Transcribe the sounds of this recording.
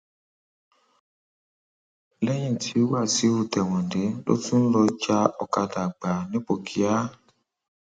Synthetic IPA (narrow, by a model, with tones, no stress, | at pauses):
lɛ˦j̃ĩ˦˨tʰi˨˦wa˦˨si˨˦o˦˨tɛ˨w̃ɔ̃˨n˨de˨˦lo̰˦tũ˦n̩˦lɔ˧t͡ʃa˧ɔ˨ka˧da˨ɡ͡ba˨nĩ˦k͡po˨kʰi˨˦a˦